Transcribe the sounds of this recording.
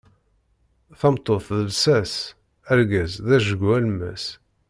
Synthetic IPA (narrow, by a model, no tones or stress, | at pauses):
θɑmt̪ˤːoθðəlsæs | æɾɡæzðæʒəɡuælmæs